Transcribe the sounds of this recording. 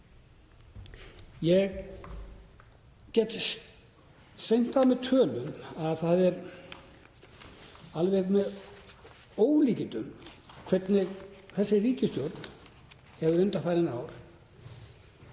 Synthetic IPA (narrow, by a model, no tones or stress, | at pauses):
jɛɣ | cɛt̪ | sejn̥t̪aðmɛðt̪ʰœːlʏnaðθaðɛɾ | alvɛɣmɛð | oːwliːcɪnt̪ʏmkʰvɛt̪nɪɣθɛsːɪriːcʏst̪jowt̪n | ɛvʏɾʏnt̪afaːjɾɪnaːwɾ̥